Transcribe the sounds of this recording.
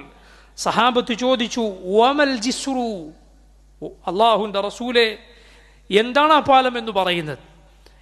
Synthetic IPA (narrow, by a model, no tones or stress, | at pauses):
sɐhaːbɐt̪ːɨt͡ɕo̞ːd̪it͡ɕːuɐmɐld͡ʑisru | ɐlːaːɦuʋinde̞rɐsuːle | end̪aːɳaːpaːlɐme̞nːupɐrɐjunːɐðɨ